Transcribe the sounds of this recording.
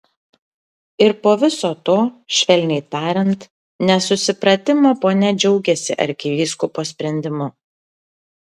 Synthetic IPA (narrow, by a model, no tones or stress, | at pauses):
ɪɾpoːʋʲɪsoːt̪oːʃʲʋʲɛlʲnʲɛɪt̪ɑːɾʲɛnt̪ | nʲɛsʊsʲɪpɾɐt̪ʲɪmoːpoːnʲɛd͡ʒʲɛʊɡʲɛsʲɪ̰ʔɐ̰ɾʲkʲɪʋʲiːskʊpoːsʲpʲɾʲɛnʲd̪ʲɪmʊ